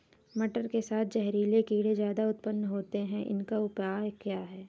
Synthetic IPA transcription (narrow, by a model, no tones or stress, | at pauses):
mɐʈəɾkesaːt̪̚ʰd͡ʒɛɦɾiːlekiːɽezjaːd̪aʊt̪pənːɦoːt̪eɦɛ̃ʔɪ̰nkaʊpjaːjkjaːɦɛː